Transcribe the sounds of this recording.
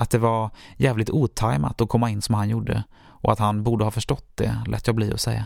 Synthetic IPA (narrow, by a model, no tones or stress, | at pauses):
at̪̚d̪ɛvaɾjɛːvlɪkt̪uːt̪ʰajma̰t̪ɔkʰɔmːaɪnːsɔmhanjuːɖə̰ | ʔɔat̪hanbuːɖəhɑːfœʂʈɔt̪̚ːd̪ɛ̰lɛ̰ːt̪jɑːɡbliːɔ̰sɛjːa